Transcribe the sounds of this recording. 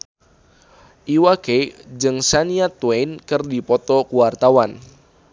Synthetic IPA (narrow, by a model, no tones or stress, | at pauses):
ʔiwaked͡ʒɨŋsaniat̪weinkɨrdipɔt̪ɔkuwart̪awan